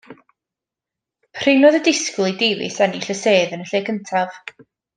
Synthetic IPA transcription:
pʰr̥ɪnɔðədɪskʊlˠidevɪ̰sɛniɬəseːðənəɬeːkʰəntʰav̥

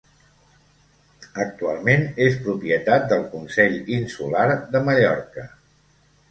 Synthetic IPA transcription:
ək̚t̪ualˠmenespɾupiət̪at̪̚d̪əlˠkunsɛʎinsulaɾðəməʎɔɾkə

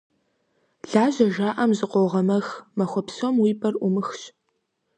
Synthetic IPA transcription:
ɮaːʑɐʒaːʔɐmzɨqʷɔwʁɐmɐxmɐxʷɔpsomwiːbʰʼɐrʔʷʊmɨxɕ

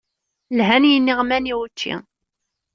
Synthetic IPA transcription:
lɦænjənːiʁmæniwət͡ʃːḭ

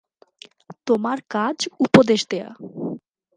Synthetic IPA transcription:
t̪omaɾkad͡ʑupod̪eʃd̪ea̰

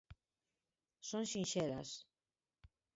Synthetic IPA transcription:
sonʃinʃeɾa̰s

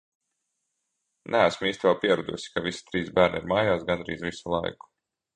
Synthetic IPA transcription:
nʔææsmiːst̪ʲvɛlˠpiɛɾud̪ṵsi̥kavisi̥t̪ɾiːsbæːɾnḭɾmaːjaːsɡanɾḭːzvisulˠa̰jku̥

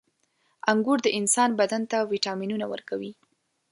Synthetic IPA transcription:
aŋɡuɾd̪əʔɪnsɑnbad̪ant̪awiʈɑminunawə̰ɾkawi

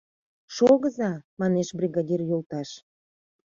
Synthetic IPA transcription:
ʃoɣəzɑmɑneʃbrʲiɣɑdʲirjolt̪ɑʃ

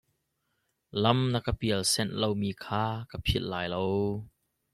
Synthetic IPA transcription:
lɐmnɐkəpiəlsɛnlowmiːkʰaːkapʰil̚laːjlow

